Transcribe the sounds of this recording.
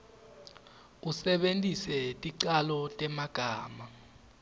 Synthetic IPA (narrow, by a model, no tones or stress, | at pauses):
usɛɓentʼisɛtʼiǀalɔtʼɛmaɡ̥ʱaːma